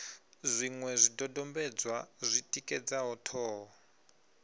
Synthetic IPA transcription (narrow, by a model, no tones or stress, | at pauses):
zʷiŋwɛzʷidɔdɔmbɛd͡zwazʷitʼikʼɛd͡zaɦɔtʰɔːɦɔ